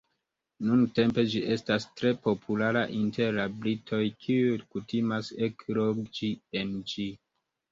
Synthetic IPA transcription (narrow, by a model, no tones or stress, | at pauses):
nunte̞mpe̞d͡ʒiʔe̞stastɾe̞po̞pʰulaɾaʔinte̞ɾabɾitʰo̞jkʰiujkutimasekɾoɡd͡ʒiend͡ʒi